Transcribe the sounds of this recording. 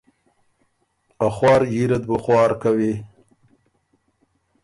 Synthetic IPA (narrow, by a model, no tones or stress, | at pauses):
axwɑːɾjiɾat̪̚bəxwɑːɾkawi